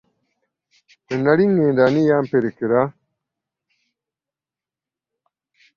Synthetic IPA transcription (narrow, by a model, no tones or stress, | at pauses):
enaɽiŋːẽːndanijaːmpeɾekiɾa